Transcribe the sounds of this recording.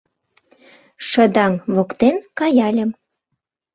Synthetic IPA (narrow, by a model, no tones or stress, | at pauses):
ʃə̆d̪ɑŋβokt̪enkɑjɑlʲə̆m